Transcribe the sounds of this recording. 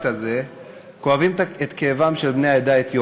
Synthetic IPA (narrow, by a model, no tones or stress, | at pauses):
t̪aze | ko̞avimet̪keːvamʃelbne̞jaed̪aet̪jo